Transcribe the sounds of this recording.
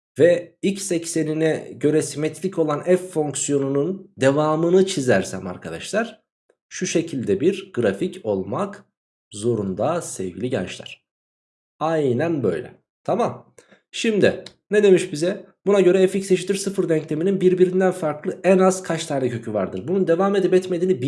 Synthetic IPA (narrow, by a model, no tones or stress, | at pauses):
vɛicsɛcse̞ninɛɟø̞ɾɛsimet̪ʰlʲicʰo̞lˠanɛfːo̞ŋksijo̞nunund̪e̞vaːmɯnɯt͡ʃʰizæɾsæ̰ma̰ɾkʰad̪aʃlˠaɾ̥ | ʃuʃe̞cʰilʲd̪ɛbiɾɡ̥ɾaficʰo̞lˠmak | zo̞ɾund̪asɛvɟilʲiɟɛ̰nt͡ʃlʲˠa̰ɾ̥ | ajnænbø̞̰jlʲɛ̰ | t̪ʰamam | ʃimd̪i | ned̪e̞miʃbizɛ | bunaɟø̞ɾɛeficseʃit̪iɾsɯfɯɾd̪ɛɲclʲemininbiɾbiɾind̪ænfaɾklˠɯʔænaz̥kʰat͡ʃt̪ʰaːnɛcʰø̞cʰyvaɾd̪ɯɾbunund̪e̞vaːme̞d̪ipɛt̪me̞d̪iːnib